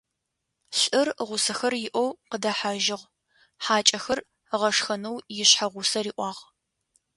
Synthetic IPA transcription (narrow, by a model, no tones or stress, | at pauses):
ɬʼɨrʁʷʊsɐxɐrjɪʔʷowqədɐħaʒɪʁ | ħaːt͡ʃʼɐxɐr | ʁɐʂxɐnɐwjɪɕħaʁʷʊsɐriːʔʷɑːʁ